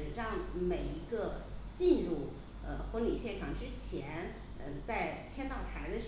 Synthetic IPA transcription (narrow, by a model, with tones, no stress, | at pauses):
ɻɑ˥˩ŋme˨˩ɪi˧˥ɡə˧t͡ɕi˥˧nɻu˥˩ | ə˧xwə˧˥ŋli˨˩ɕjɛ˥˩nʈ͡ʂʰɑ˨˩ŋʈ͡ʂɻ̩˥t͡ɕʰjɛ˧˥n | ə˧t͡sa˥˩ɪt͡ɕʰjɛ˥nt̪ɑ˥˩ʊt̪ʰa˧˥ɪd̪ə˧ʂ